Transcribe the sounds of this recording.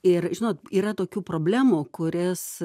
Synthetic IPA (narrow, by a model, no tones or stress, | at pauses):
ɪrʒʲɪnoːt̪iːɾɐt̪oːkʲuːpɾoːbʲlʲæːmuːkʊɾʲɪs